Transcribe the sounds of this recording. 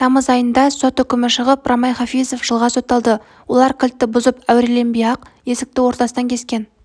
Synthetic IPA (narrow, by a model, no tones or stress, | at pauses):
t̪ʰɑməzɑjənd̪ɑso̞t̪ʏkʲɪmɪʃəʁəprɑmɑjχɑfijzo̞fʒ̥əlˠʁɑso̞t̪ːɑlˠd̪ə | wo̞lˠɑɾkʲʰɪlt̪ːɪbʊzəpæwɾele̞mbijɑqje̞sɪk̚t̪ɪwo̞ɾt̪ɑsənɑŋkʲʰe̞skʲe̞n